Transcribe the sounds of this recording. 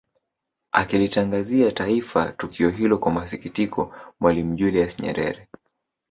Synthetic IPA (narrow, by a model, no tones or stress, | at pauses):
a̰kilitaŋɡaziataifa̰tukʰiɔɦilɔkwamasikitikʰɔmwalim̩ʄuliasɲɛ̰ɾɛ̰ɾɛ